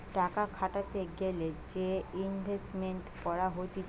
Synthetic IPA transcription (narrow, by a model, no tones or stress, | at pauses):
ʈakakʰaʈat̪eɡeled͡ʑeinbʱesʈmeɳʈkɔɾaɦot̪i